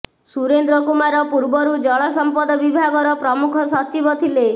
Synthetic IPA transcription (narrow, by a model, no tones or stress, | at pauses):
suɾend̪ɾɔkumaɾɔpuɾbɔɾud͡ʒɔɭɔsɔmpɔd̪ɔbibʱaɡɔɾɔpɾɔmukʰɔsɔt͡ʃibɔt̪ʰile